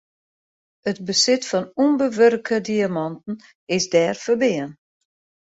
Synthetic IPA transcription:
ətbəsɪtfɔnumbəʋørkʰədiamɑntn̩ | ɪsdɛːrfərbɪən

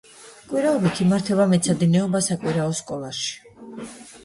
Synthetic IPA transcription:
kʼwiɾaɔbit̪ʰimaɾt̪ʰɛbamɛt̪sʰad̪inɛɔbasakʼwiɾaɔskʼɔlˠaʃi̥

